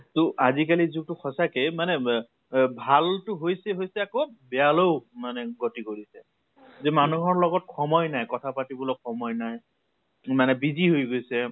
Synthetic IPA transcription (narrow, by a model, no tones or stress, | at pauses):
tʊʔazikalizuk̚tʊxʰɔsakemanɛ | bʱaltʊɦojsɛɦojsɛakobɛjaloʊmanɛɡotikoɹisɛ | zɛmanuɦɔɹlɔɡɔt̚xʰɔmɔjnajkɔtʰapatibɔlɔkʰːɔmɔjnaj | manɛbiziɦojɡojsɛ